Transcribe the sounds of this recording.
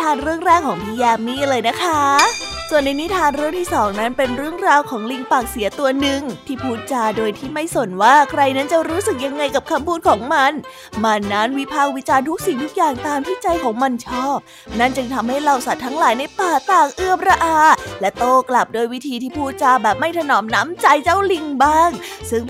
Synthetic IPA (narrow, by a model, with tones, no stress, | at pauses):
t̪ʰaː˧nɾɯ˥˩əŋɾɛː˥˩kʰːɔː˩˦ŋpʰi˧jaː˧mːiː˧˥˩lɤː˧jna˦˥kʰa˦˥ | su˨˩ənːa˧jni˦˥t̪ʰaː˧nɾɯː˥˩əŋt̪ʰiː˥˩sɔː˩˦ŋna˦˥npe˧nɾɯ˥˩əŋɾaː˧wkʰɔː˩˦ŋli˧ŋpaː˨˩k̚si˩˦ɐt̪u˧ɐnɯ˨˧˩ŋt̪ʰiː˥˩pʰuː˥˩t̪̚t͡ɕaː˧˩doː˧jt̪ʰiː˥˩ma˥˩jso˨˩nwaː˥˩kʰɾa˧jna˦˥nt͡ɕa˨˩ɾuː˦˥sɯ˨˩k̚ja˧ŋːa˧jka˨˩p̚kʰa˧mpʰuː˥˩t̪̚kʰɔː˩˦ŋma˧n | ma˧nːa˦˥nwi˦˥pʰaː˥˩k̚wi˦˥t͡ɕaː˧nt̪ʰu˦˥k̚si˨˩ŋtʰu˦˥k̚jaː˨˩ŋt̪aː˧mp̪ʰi˦˥t͡ɕa˧jkʰɔː˩˦ŋma˧nt͡ɕʰɔː˥˩p̚na˥˩nt͡ɕɯ˧ŋt̪ʰa˧mha˥˩jɾa˧wsa˨˩t̪ʰːa˦˥ŋlaː˩˦jna˧jpaː˨˩k̚t̪aː˨˩k̚ʔɯ˧˩əmɾa˧ʔaː˧˩lɛ˦˥t̪oː˥˩kla˨˩p̚doː˧jwi˦˥t̪ʰiː˧t̪ʰiː˥˩pʰuː˥˩t̪̚t͡ɕaː˧bɛː˨˩p̚ma˥˩jt̪ʰa˧nɔː˩˦mnaː˦˥mt͡ɕa˧jt͡ɕa˥˩wli˧ŋbaː˥˩ŋsɯ˥˩ŋ